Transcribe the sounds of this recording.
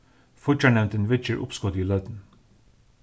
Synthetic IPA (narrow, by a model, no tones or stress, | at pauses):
fɔt͡ʃɑɳɛmnt̪enʋɪt͡ʃəɹʔʊ̰pskɔd̪iːlœʏd̪n̩